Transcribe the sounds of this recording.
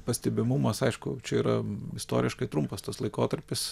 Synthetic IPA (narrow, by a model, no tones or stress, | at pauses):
pɐsʲt̪ʲɛbʲɪmʊmɐsɐɪʃkʊt͡ʃʲɛiːɾɐɪst̪o̰ːɾʲɪʃkɐɪt̪ɾʊmpɐst̪ɐslˠɐɪkoːt̪ɐɾʲpʲɪs